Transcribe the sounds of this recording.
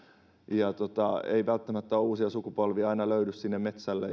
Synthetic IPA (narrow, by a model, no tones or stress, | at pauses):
jɑt̪ot̪ɑḛiʋælt̪ːæmæt̪ːæouːsiɑsukupolʋiɑinɑløydyssinːemmet̪sælːḛ